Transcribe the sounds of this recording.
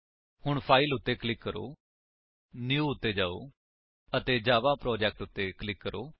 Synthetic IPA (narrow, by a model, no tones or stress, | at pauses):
hʊɳpʰaːilʊt̪ːeːklɪkːəɾo̰ː | njuːʊt̪ːeːd͡ʒaːo̰ː | ət̪eːd͡ʒaːʋaːpɾɔːd͡ʒɛːk̚ʈʊt̪ːeːklɪkːəɾʔoː